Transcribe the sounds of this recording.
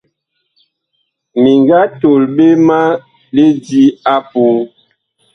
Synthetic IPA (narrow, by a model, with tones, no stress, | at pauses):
mi˨ŋɡa˦to˨lɓe˦ma˦ | le˦di˦a˦pu˨˦